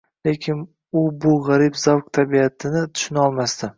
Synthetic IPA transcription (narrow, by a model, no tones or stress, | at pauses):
le̞kʲʰɪn | ʊbʊʁaɾɪbz̥awq̚t̪ʰabiat̪ʰɪnɪt̪ʰʊ̥ʃɪnɒlˠmast̪ʰɪ